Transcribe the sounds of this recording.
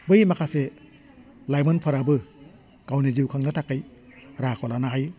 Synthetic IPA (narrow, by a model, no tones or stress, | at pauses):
bɯjmakʰase | lajmɔnpʰɯɾabɯ | ɡ̥awniziwkʰaŋnatʰakːaj | ɾakʰɔlanaɦaj